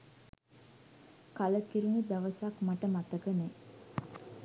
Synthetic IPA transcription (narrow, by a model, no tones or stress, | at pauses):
kaləkiɾunid̪aʋəsakmaʈəmat̪əkəne